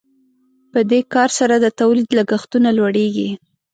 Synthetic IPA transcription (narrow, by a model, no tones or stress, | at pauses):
pəd̪ekɑɾsaɾad̪ət̪awlid̪laɡaxt̪unalwaɽeɡi